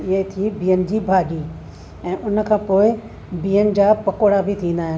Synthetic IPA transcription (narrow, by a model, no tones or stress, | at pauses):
ɪɦət̪ʰibiːənɪ̆d͡ʑiːbʱaːɗiː | ɛ̃ːʔʊnə̆kʰãːpoːɪ | biːənɪ̆d͡ʑaːpɐkoɽabʱɪt̪ʰĩːn̆d̪aːɦɪn